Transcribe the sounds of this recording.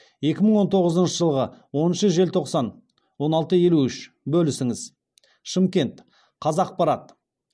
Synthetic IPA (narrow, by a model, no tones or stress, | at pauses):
je̞kʲɪməɴwo̞nt̪ʰo̞ʁəzənʃəʒəlˠʁəwo̞nənʃəʒe̞lt̪ʰo̞qsɑn | wo̞nɑlˠt̪əje̞luʏʃ | bɵlɪsɪŋɪz | ʃəmkʲe̞nt̪ | qʰɑzɑːq̚pɑɾɑt̪